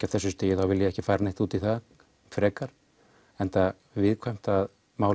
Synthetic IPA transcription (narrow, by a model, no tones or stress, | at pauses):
aθɛsːʏst̪eːjɪθawvɪljɛɛhcɪfaːjɾanejht̪uːt̪iθað | fɾɛːkaɾ̥ | ɛnt̪a | vɪðkʰvajm̥t̪að | maːw